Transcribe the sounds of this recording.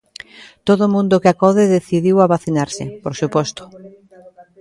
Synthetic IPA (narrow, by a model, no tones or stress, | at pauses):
t̪oðʊmũnd̪ʊkeakɔðɪðeθiðiwaβaθinaɾsɪpoɾsupɔst̪ʊ̥